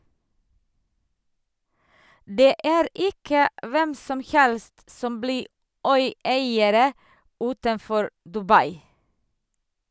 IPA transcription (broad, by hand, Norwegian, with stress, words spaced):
ˈdeː ˈʔæːɾ ˈɪkə ˈʔʋɛm ˈsɔm ˈhɛlst ˈsɔm ˈbliː ˈœʏˌæɪəɾə ˈʉːtənˌfɔɾ dʉˈbɑɪ